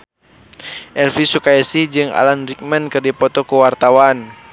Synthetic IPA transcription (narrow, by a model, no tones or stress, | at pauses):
ʔɛlfisukajasihd͡ʒɨŋa̰lanrik̚mɛnkɨrdipɔt̪ɔkuwart̪awan